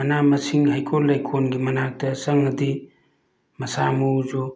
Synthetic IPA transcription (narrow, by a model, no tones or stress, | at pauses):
ɐnamɐsiŋhajkʰolːajkʰonɡimɐnak̚tɐsɐŋɐdi | mɐsamud͡ʒo